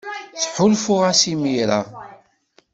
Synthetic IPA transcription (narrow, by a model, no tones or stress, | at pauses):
θħʊlfʊʁasimiɾa̰